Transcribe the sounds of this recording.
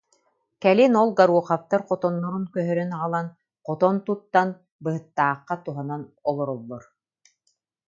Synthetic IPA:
kɛlinɔlˠɡaɾuɔχaft̪aɾqɔt̪ɔnːɔɾunkœɦœɾœnaʁɯlˠan | qɔt̪ɔnt̪ut̪ːan | bɯɦɯt̪ːaːqːat̪uɦananɔlˠɔɾɔlˠːɔɾ

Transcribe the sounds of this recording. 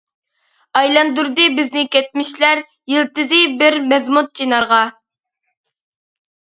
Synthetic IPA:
ɑjlˠɑnd̪uɾd̪ɨbɪznɪkʲɛt̪̚mɪʃlæɾ | jilˠt̪ɨzɪbɪɾmɛzmut̪̚t͡ʃʰinɑɾʁɑ

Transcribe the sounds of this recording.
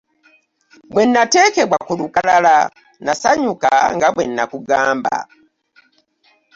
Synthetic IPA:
bwe̞nːate̞ːke̞βwakulukalala | nasaɲuka̰ŋɡaβwenːakuɡaːmba̰

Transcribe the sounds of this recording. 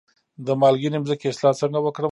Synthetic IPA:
d̪əmɑlɡinemzəkeɪslɑt͡səŋɡawəkɽə

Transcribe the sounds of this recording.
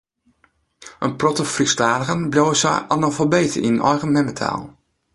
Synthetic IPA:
ʔənprɔtəfristaːdəɣənbljowəsɛ̰jʔɑnafɔlˠbejtəḭnnɔ̰jɣənmɛmətʰa̰ːlˠ

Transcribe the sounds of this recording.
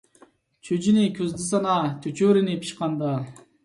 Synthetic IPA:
t͡ʃʰød͡ʒinikʲʰøzd̪isɑnɑt̪ʰøt͡ʃøɾinipʰi̥ʃqɑnd̪ɑ

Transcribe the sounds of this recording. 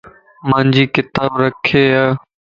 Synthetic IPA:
mãːnd͡ʒiːkɪt̪aːbɾəkʰeːaː

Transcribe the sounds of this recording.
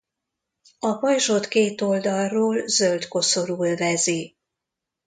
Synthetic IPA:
ɒbɒjʒot̪keːt̪o̞ld̪ɒrroːlzølt̪ko̞so̞ɾuːlvɛzi

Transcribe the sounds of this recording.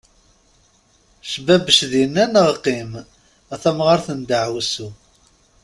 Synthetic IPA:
ʃəbæbəʃðijnːænəʁqːim | æθæmʁəɾθənd̪əʕwsu

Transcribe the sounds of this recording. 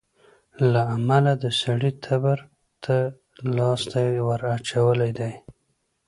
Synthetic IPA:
laamalad̪əsaɽit̪ʰabaɾ | t̪ʰa | lɑst̪ajwəɾat͡ʃawəlajd̪aj

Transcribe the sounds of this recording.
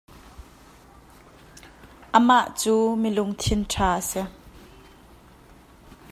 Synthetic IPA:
ʔəmaʔt͡suːmilʊŋt̪ʰɪnʈʰaːʔəsɛ

